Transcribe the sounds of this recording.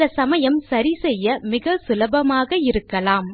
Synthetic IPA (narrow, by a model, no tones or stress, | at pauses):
ɐsɐmɐjɐmsɐɾisɛjːɐmɪɣɐsʊlɐbɐmaːɣɐɪɾɯkːɐlaːm